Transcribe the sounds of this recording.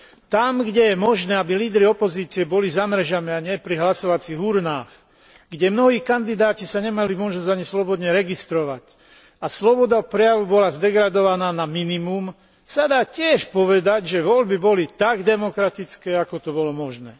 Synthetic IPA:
t̪amɡɟɛjɛmɔʒnɛːabiliːd̪ɾiɔpɔziːt͡siɛbɔlizamɾɛʒamɛaɲɪɛpɾiɦlasɔʋat͡siːɣuɾnaːx | ɡ̥ɟɛmnɔɦiːkand̪id̪aːcisaɲɛmalimɔʒnɔzɟaɲislɔbɔd̪ɲɛɾɛɡist̪ɾɔʋac | aslɔbɔd̪aɔpɾɛjaʋubɔlazd̪ɛɡɾad̪ɔʋanaːnaminimum | sad̪aːcɪɛʃpɔʋɛd̪aɟʒɛʋɔʎbibɔlit̪aɡd̪ɛmɔkɾat̪it͡skɛːakɔt̪ɔbɔlɔmɔʒnɛː

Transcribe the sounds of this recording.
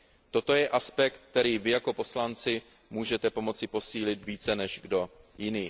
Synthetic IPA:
t̪o̞t̪o̞jɛʔaspɛkt̪̚ːɛɾiːvɪjako̞po̞slant͡sɪ | muːʒɛt̪ɛpo̞mo̞t͡sɪpo̞siːlɪt̪viːt͡sɛnɛʒɡdo̞jɪniː

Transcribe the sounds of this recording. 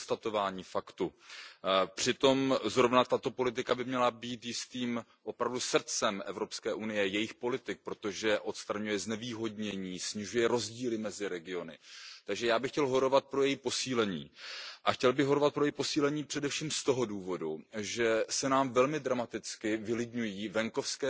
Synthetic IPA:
st̪at̪o̞vaːɲiːfakt̪u | pr̥ɪt̪o̞mzɾo̞vnat̪at̪o̞po̞lɪt̪̬ɪkabɪmɲɛlabiːt̪jɪst̪iːm | ʔo̞pɾavdusr̩t͡sɛmʔɛvɾo̞pskɛːʔunɪjɛjɛjɪxpo̞lɪt̪ɪk̚pɾo̞t̪o̞ʒɛʔo̞t̪st̪ɾaɲujɛznɛviːɦo̞dɲɛɲiːsɲɪʒujɛɾo̞zɟiːlɪmɛzɪɾɛɡɪo̞nɪ̰t̪aɡʒɛjaːbɪxcɛlɦo̞ɾo̞vat̪̚pɾojɛjipo̞siːlɛɲḭːʔaxcɛlbɪɣɦo̞ɾovat̪̚pɾojɛjpo̞siːlɛɲiːpr̥ɛdɛfʃiːmst̪oɦo̞duːvo̞duʒɛsɛnaːmvɛlmɪd̪ɾamat̪ɪt͡skɪvɪlɪdɲujiːvɛŋko̞fskɛː

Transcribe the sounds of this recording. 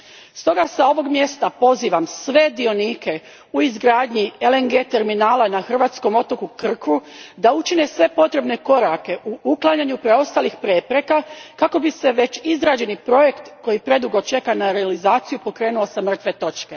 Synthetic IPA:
st̪o̞ɡasao̞ʋo̞ɡmje̞st̪apo̞ziːʋamsʋe̞d̪io̞niːke̞ | uizɡɾaːd̪ɲieleŋɡe̞t̪e̞ɾminaːlanaxr̩ʋaːt̪sko̞mo̞t̪o̞kukr̩kud̪aut͡ʃine̞sʋe̞po̞t̪ɾe̞bne̞ko̞ɾake̞ʔuʔuklˠaɲaɲupɾe̞o̞st̪aːlixpɾepɾe̞kakako̞bise̞ʋe̞t͡ʃizɾaːd͡ʒe̞nipɾo̞je̞kt̪ko̞jipɾe̞d̪uɡo̞t͡ʃe̞kanaɾealizaːt̪sijupo̞kɾe̞ːnuo̞samr̩t̪ʋe̞t̪o̞t͡ʃke̞

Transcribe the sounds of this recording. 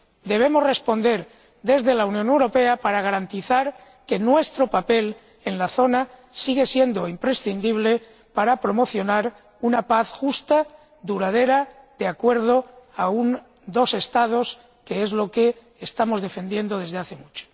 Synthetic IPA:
d̪e̞β̞emo̞zre̞spo̞nd̪e̞ɾ | d̪e̞zðe̞launjõ̞ne̞wɾo̞pe̞apaɾaɣ̞aɾant̪iθaɾ | ke̞nwe̞st̪ɾo̞pape̞l | e̞nlaθo̞nasiɣe̞sje̞nd̪o̞impɾe̞sθind̪iβ̞le̞ | paɾapɾo̞mo̞θjonaɾ | unapaθxust̪a | d̪uɾað̞e̞ɾa | d̪eakwe̞ɾð̞o̞aun | d̪o̞se̞st̪að̞o̞s | ke̞e̞zlo̞keː | st̪amo̞zðe̞fe̞nd̪je̞nd̪o̞ð̞e̞zðeaθe̞mut͡ʃo̥

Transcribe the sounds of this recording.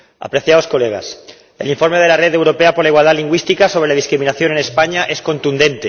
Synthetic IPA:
a̰pɾe̞θjaosko̞leɣ̞a̰s | ḛliɱfo̞ɾmeð̞elare̞ðewɾo̞peapo̞ɾlaiɣwald̪aliŋɡwist̪ikasoβɾelaðiskɾiminaθjo̞nene̞spaɲaʔe̞sko̞nt̪und̪e̞nt̪e

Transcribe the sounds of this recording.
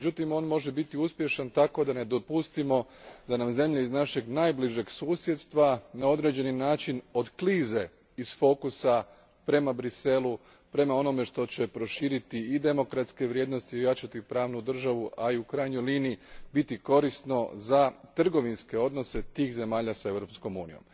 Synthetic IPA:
med͡ʑut̪imo̞ːnmo̞ʒebit̪iuspje̞ʃant̪ako̞d̪ane̞d̪o̞pust̪imo̞ | d̪anamze̞mʎeiznaʃe̞ɡnaːjbliʒe̞ɡsuːsje̞d̪st̪ʋanao̞d̪ɾe̞d͡ʑe̞ninaːt͡ʃino̞d̪kliːze̞ | iz̥fo̞kusa | pɾe̞mabɾise̞lu | pɾe̞mao̞no̞me̞ʃt̪o̞t͡ɕe̞pɾo̞ʃiːɾit̪iːd̪e̞mo̞kɾat̪ske̞ʋɾje̞ːd̪no̞st̪io̞jat͡ʃat̪ipɾaːʋnud̪r̩ʒaʋuʔaiukɾaːjɲojliːniibit̪iko̞ɾist̪no̞zat̪r̩ɡo̞ʋinske̞o̞d̪no̞se̞t̪iːxze̞maːʎasae̞ʋɾo̞psko̞muːnijo̞̰m

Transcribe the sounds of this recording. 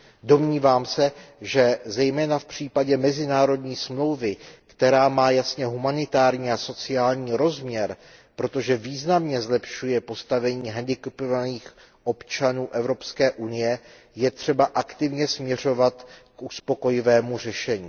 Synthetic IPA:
do̞mɲiːvaːmsɛʒɛzɛjmɛːnafpr̝̥iːpaɟɛmɛzɪnaːɾo̞dɲiːsmlo̞wvɪkt̪ɛɾaːmaːjasɲɛɦumanɪt̪aːɾɲiːaso̞t͡sɪaːlɲiːɾo̞zmɲɛɾ | pɾo̞t̪o̞ʒɛviːznamɲɛzlɛpʃujɛpo̞st̪avɛɲiːɦɛndɪkɛpovaniːx | ʔo̞pt͡ʃanuːʔɛvɾo̞pskɛːʔunɪjɛ | jɛt̪r̝̥ɛbaʔakt̪ɪvɲɛsmɲɛr̝o̞vat̪kʔuspo̞ko̞jɪvɛːmur̝ɛʃɛɲiː

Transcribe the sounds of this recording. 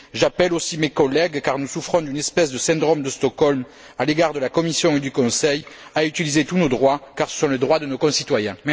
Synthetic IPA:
ʒapɛlosimekɔlɛɡkaʁnusufχɔ̃d̪ynɛspɛsd̪əsɛ̃d̪ʁɔmd̪əst̪ɔkɔlm | aleɡaʁd̪əlakɔmisjɔ̃ed̪ykɔ̃sɛjayt̪ilizet̪unod̪ʁwakaʁsə̥sɔ̃led̪ʁwad̪ənokɔ̃sit̪wajɛ̃

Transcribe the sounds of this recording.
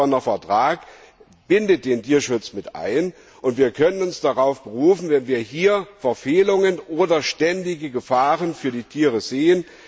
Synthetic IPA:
ɔnɐfɛɐtʁ̥aːk | b̥ɪndət̚d̥eːntʰiːɐʃʊt͡smɪtʔa̰ɪn | ʔʊntv̥iːɐkʰœnənʊnsd̥aʁaʊfb̥əʁuːfn̩vɛnviːɐɦiːɐfɛɐfeːlʊŋənʔoːdɐʃtɛndɪɡəɡəfaːʁənfyːɐdiːtʰiːʁəzeːən

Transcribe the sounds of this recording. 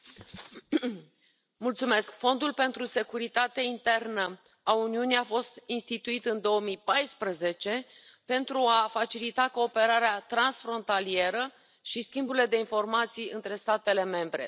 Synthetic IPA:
mult̪sume̞skfo̞nd̪ulpe̞nt̪ɾuse̞kuɾit̪at̪eint̪e̞rnə | auniuniafo̞st̪inst̪it̪uit̪ɨnd̪o̞omijpajspɾəze̞t͡ʃe̞pe̞nt̪ɾuafat͡ʃilit̪ako̞ːpe̞ɾaɾeat̪ɾansfɾo̞nt̪alie̞ɾə | ʃiskʲimbuɾile̞d̪e̞info̞rmat̪sijɨnt̪ɾe̞st̪at̪e̞le̞me̞mbɾe̞̰

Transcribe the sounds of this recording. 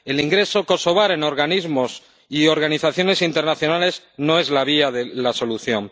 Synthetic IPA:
e̞liŋɡɾe̞so̞ko̞so̞β̞aɾe̞no̞ɾɣanizmo̞s | io̞ɾɣaniθaθjo̞ne̞sint̪e̞ɾnaθjo̞nale̞z | no̞e̞zlaβiaðe̞laso̞luθjo̞ŋ

